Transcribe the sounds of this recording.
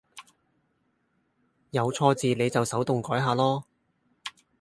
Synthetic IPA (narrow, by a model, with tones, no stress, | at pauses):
jɐ˨˧wt͡sʰɔː˧t͡siː˨ne˨˧jt͡sɐ˨wsɐ˨˥wt̪ʊ˨ŋkɔː˨˥jɦaː˨lɔː˥